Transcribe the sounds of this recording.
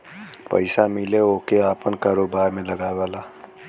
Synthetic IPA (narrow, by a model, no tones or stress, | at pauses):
pə̰ɪsamɪleokeaːpənkaːɾoːbaːɾmẽləɡaːeʋaːla